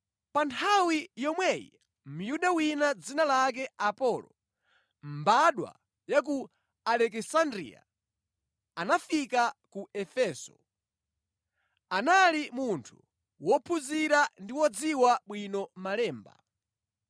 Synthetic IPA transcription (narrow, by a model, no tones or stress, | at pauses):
pantʰawijɔmwɛjḭ | m̩juɗawinad͡zinalak̬ɛapɔːlɔ̰ | m̩baɗwa̰ | jak̬u | alɛk̬ɛsandɾḭa̰ | anafikakuɛfɛːsɔ̰ | analimuntʰu̥ | wɔpʰuziɾandiwɔd͡ziwaɓwinɔmalɛːmba̰